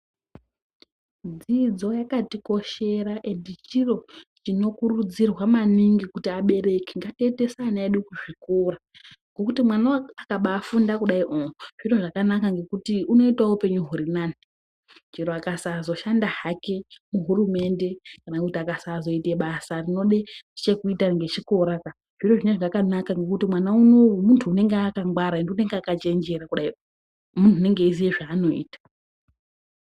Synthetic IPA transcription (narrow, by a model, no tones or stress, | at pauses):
d͡zid͡zo̞jakatiko̞ʃe̞raʔe̞ndet͡ʃiro̞t͡ʃino̞kurud͡zirwamaniŋɡikutiaɓe̞ɾe̞keŋɡate̞te̞sanaeɗukuʐikuːra | ŋɡo̞kutimwanaakaɓaːfundakuɗaiʔoːnoʐ̥iro̞ʐakanakaŋɡe̞kutiuno̞itwaupe̞ɲuɦuɾinaːni | d͡ʒeɾoakasaːzo̞ʃandaɦake̞muɦurume̞nde̞kanakutiakasaːzo̞ite̞ɓasarino̞ɗerit͡ʃekuitaŋɡe̞t͡ʃiko̞ɾaka | ʐ̥iroʐineʐakanakaŋɡe̞kutimwanaunomuntʰuːne̞ŋɡeakaŋɡwaɾaendiune̞ŋɡeakat͡ʃe̞nd͡ʒe̞ɾakuɗaio | muntʰuune̞ŋɡe̞izijeʐaːno̞ḭːtḁ